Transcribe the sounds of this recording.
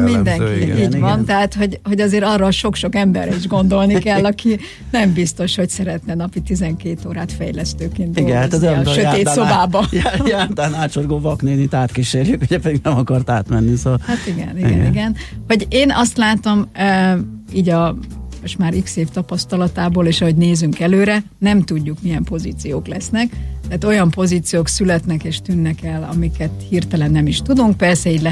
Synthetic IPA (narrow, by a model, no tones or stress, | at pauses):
mind̪ɛŋkiiːɟvɒnt̪ɛɦaːt̪ho̞ɟho̞ɟɒzeːɾɒrːɒːʃo̞kʃo̞kɛmbɛ̰ɾɛiʒɡo̞nd̪o̞lnikɛllːɒki | nɛmbist̪o̞ʃho̞csɛɾɛt̪nɛnɒpit̪ːizɛŋkeːt̪oːɾaːt̪fɛ̰jlɛst̪øːkiːnd̪iɡɛat̪zʃøeːt̪sso̞baːbɒjat̪anaːʃorɡoːvɒkneːnit̪aːt̪kiʃeːrjykhuɟɛpɛd̪iɡnɛmɒkɒrt̪aːt̪mɛnːisoɒlhat̪iɡɛ̰niɡɛ̰nḭɡɛnhɒɟeːnɒst̪laːt̪o̞mø | iːɟɒmoʃt̪maːɾikseːft̪ɒpɒst̪ɒlɒt̪aːboːleːʃɒɦo̞ɟneːzyŋkɛløːɾɛ | nɛmt̪uɟːukmijɛmpo̞ziːt̪sijoːklɛsnɛkt̪ɛaːt̪o̞jɒmpo̞ziːt̪sijoːksylɛt̪nɛkeːʃt̪ynːɛkɛlɒ̰mikɛt̪hirt̪ɛlɛnːɛmiʃt̪ud̪uŋk̚pɛrsɛiːɟlɛ